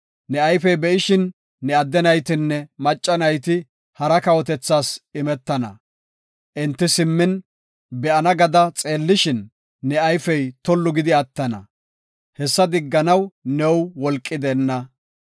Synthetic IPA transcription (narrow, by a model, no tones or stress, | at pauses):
nɛɐjfɛjbɛʔɪʃɪnː | ɛɐd̪ːɛnɐjt̪ɪnːɛmɐt͡ʃʼːɐnɐjt̪ɪ | hɐɾɐkɐwɔt̪ɛt͡sːaːsɪmɛt̪ːɐnɐ̰ | ʔɪnt̪ːɪsɪmːɪn | bɛʔɐnɐɡɐd̪ɐt͡sʼeːlːɪʃɪnː | ɛɐjfɛjt̪ɔlːʊɡɪd̪ɪɐt̪ːɐnɐ̰ | hɛsːɐd̪ɪɡːɐnɐwnɛwwɔlkʼːɪd̪ɛnːɐ